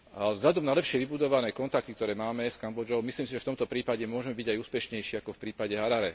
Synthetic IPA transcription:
vzʎad̪ɔmnalɛpʃɪɛʋibud̪ɔʋanɛːkɔnt̪ak̚t̪ik̚t̪ɔɾɛːmaːmɛskambɔd͡ʒɔʊmisliːmsiʒɛft̪ɔmt̪ɔpɾiːpaɟɛmʊɔʒɛmɛbiɟajuːspɛʃɲɛjʃiːakɔfpɾiːpaɟɛɦaɾaɾɛ

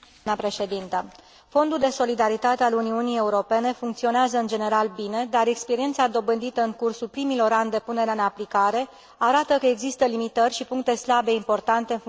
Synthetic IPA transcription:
əpɾe̞ʃe̞d̪int̪ə | fo̞nd̪uld̪e̞so̞lid̪aɾit̪at̪e̞aluniunije̞uɾo̞pe̞ne̞fuŋkt̪sio̞neazəɨnd͡ʒe̞ne̞ɾalbine̞d̪aɾe̞kspe̞ɾie̞nt̪sad̪o̞bɨnd̪it̪əɨŋkursulpɾimilo̞ɾand̪e̞pune̞ɾeaɨnaplikaɾe̞ | aɾat̪əkəe̞ɡzist̪əlimit̪ərʲʃipuŋk̚t̪e̞slabe̞impo̞rt̪ant̪e̞ɨn

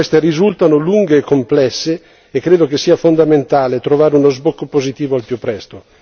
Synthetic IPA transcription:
ɛst̪erizult̪anoluŋɡeːkːomplɛsːeː | kːɾeːd̪okesiːafond̪ament̪aːlet̪ɾovaːɾeunozbokːopozit̪iːvoalpjupːɾɛst̪o

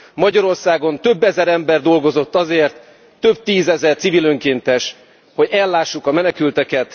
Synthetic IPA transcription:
mɒɟɒɾo̞rsaːɡo̞nt̪ø̞bːɛzɛɾɛmbɛrd̪o̞lɡo̞zo̞t̪ːɒzeːrt̪ː | ø̞b̚t̪iːzɛzɛrt̪sivilø̞ŋkeːnt̪ɛʃ | ho̞ɟɛlːaːʃːukɒmɛnɛkylt̪ɛkɛt̪

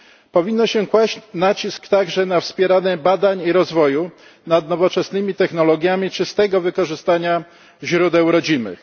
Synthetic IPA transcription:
pɔvʲinːɔɕɛkwaɕt͡ɕnat͡ɕiskt̪aɡʐɛnafspʲjɛɾanɛbad̪aɲiɾɔzvɔju | nad̪nɔvɔt͡ʂɛsnɘmʲit̪ɛxnɔlɔɡʲjamʲit͡ʂɘst̪ɛɡɔvɘkɔʐɘst̪aɲa | ʑɾud̪ɛwɾɔd͡ʑimɘ̰x

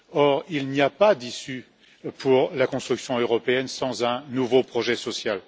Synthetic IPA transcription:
ɔʁilniapad̪isy | pʰuʁlakɔ̃st̪χyksjɔ̃øʁɔpeɛnsɑ̃zɛ̃nuvopχɔʒɛsɔsjal

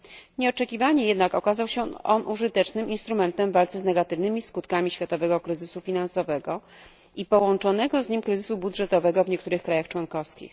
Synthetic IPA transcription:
ɲɛɔt͡ʂɛkʲivaɲɛjɛd̪nakɔkazawɕɛʔɔnʔuʐɘt̪ɛt͡ʂnɘmʔinst̪ɾumɛnt̪ɛmvalt̪sɛznɛɡat̪ɘvnɘmʲiskut̪kamʲiɕfʲjat̪ɔvɛɡɔkɾɘzɘsufʲinansɔvɛɡɔ | ipɔwɔnt͡ʂɔnɛɡɔzɲimkɾɘzɘsubud̪ʐɛt̪ɔvɛɡɔvɲɛkt̪uɾɘxkɾajaxt͡ʂwɔnkɔfskʲḭx

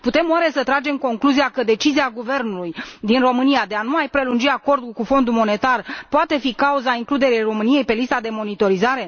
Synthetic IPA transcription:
put̪e̞mowaɾesət̪ɾad͡ʒe̞mko̞ŋkluziakəd̪e̞t͡ʃiziaɡuve̞rnulujd̪inro̞mɨnijad̪e̞anuajpɾe̞lund͡ʒiako̞rd̪kufo̞nd̪umo̞ne̞t̪arpoat̪e̞fikauzaiŋklud̪e̞ɾejro̞mɨnije̞jpe̞list̪ad̪e̞mo̞nit̪o̞ɾizaɾe̞

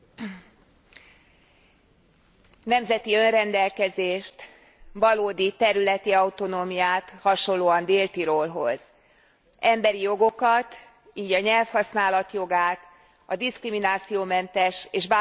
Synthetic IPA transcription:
nɛmzɛt̪iø̞nrɛnd̪ɛlkɛzeːʃt̪ | vɒloːd̪it̪ɛɾylɛt̪iɒut̪o̞noːmijaːt̪hɒʃo̞llːoːɒnd̪eːlt̪iɾoːlɦo̞̰z̥ | ɛmbɛɾijo̞ɡo̞kɒt̪ | iːɟɒɲɛlfhɒsnaːlɒt̪jo̞ɡaːt̪ | ɒd̪iskriminaːt̪sijoːmɛnt̪ɛʃeːʒbaː

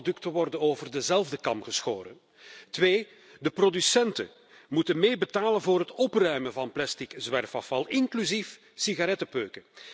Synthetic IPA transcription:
dɵktəʋɔrdənoːvərdəzɛlˠvdəkɑmpɣəsxoːɾə̰n | tʋeː | dəprodysɛntə̰ | mutənmeːbətaːlənvoːɾɦətɔprœɥmənvɑnplɛstikzʋɛrfɑfɑlˠɪŋklyzif | siɣaɾɛtəpøːkə

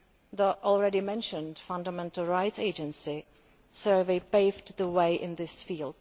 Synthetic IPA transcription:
ðiʔɔl̩ˠɹɛɾimɛ̃nʃə̃nd̥fʌ̃ndəmɛ̃ntl̩ˠɹaɪtseɪd͡ʒɨ̃nsi | sɜ˞veɪpeɪvdðəweɪʔɪ̃nðɪsfiːlˠd̥

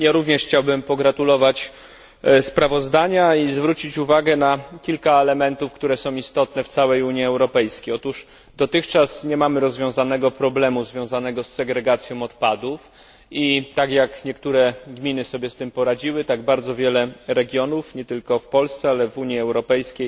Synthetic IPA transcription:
jaɾuvɲɛʂxt͡ɕawbɘmpɔɡɾat̪ulɔvat͡ɕ | spɾavɔzd̪aɲaizvɾut͡ɕit͡ɕuvaɡɛnakʲilkaɛlɛmɛnt̪ufkt̪uɾɛsɔ̃w̃ist̪ɔt̪nɛft̪sawɛjuɲiɛwɾɔpɛjskʲejɔt̪uʂ | d̪ɔt̪ɘxt͡ʂasɲɛmamɘɾɔzvʲjɔ̃w̃zanɛɡɔpɾɔblɛmuzvʲjɔ̃w̃zanɛɡɔsːɛɡɾɛɡat̪sʲjɔ̃w̃ɔt̪pad̪uf | it̪akjakɲɛkt̪uɾɛɡmʲinɘsɔbʲjɛst̪ɘmpɔɾad͡ʑiwɘt̪aɡbaɾd̪zɔvʲjɛlɛɾɛɡʲjɔnufɲɛt̪ɘlkɔfpɔlst̪sɛalɛvuɲiɛwɾɔpɛjskʲej

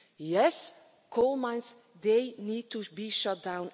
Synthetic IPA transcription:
jɛs | kʰolˠmãɪ̃ns | d̪eɪniːd̚tubiʃʌt̚d̥ãʊ̃n

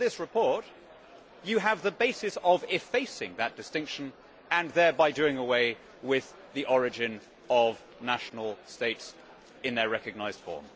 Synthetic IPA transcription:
ðɪsɹɨpʰɔɹt͡ʃ | ɨːvðəbeɪsɨsəvɪfeɪsɪ̃ŋðət̚d̥ɨstɪ̃ŋkʃə̃n | ɨ̃nðə˞baɪdʉɪ̃ŋəweɪ | wɪð | iʔɔɹɨd͡ʒɪ̃n | ʌv | næʃn̩l̩ˠsteɪts | ɨ̃nðə˞ɹɛkɨɡ̚naɪzd̥fɔ̰ɹm

